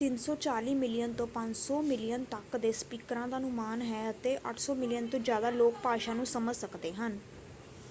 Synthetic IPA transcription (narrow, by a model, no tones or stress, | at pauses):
t̪ɪnsɔːt͡ʃaːliːmɪlɪjənt̪õːpə̃ɲd͡ʒsɔːmɪlɪjənt̪əkd̪eːspiːkɾãːd̪aːnʊ̃maːnɦɛːət̪eːʔəʈʰsɔːmɪlɪjənt̪õːd͡ʒjaːd̪aːloːk̚paːʃaːnũːsəməlsəkd̪eːɦən